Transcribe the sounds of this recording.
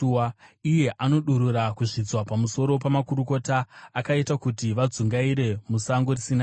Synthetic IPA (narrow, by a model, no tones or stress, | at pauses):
ije̞ʔano̞ɗuɾuɾakuʐid͡zwapamuso̞ɾo̞pamakuɾuko̞taːkaitakutiʋad͡zuŋɡaiɾe̞musaŋɡorisina